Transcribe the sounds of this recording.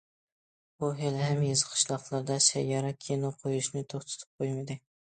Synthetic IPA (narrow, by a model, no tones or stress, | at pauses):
buɦelhæmjezɨqʰɨ̥ʃlˠɑqlˠɑɾd̪ɑʃæjːɑɾɑkʲʰenʊqʰojuʃnɪt̪ʰoχt̪ʰɛ̥t̪ʰɪ̥p̚qʰojmɪd̪ɪ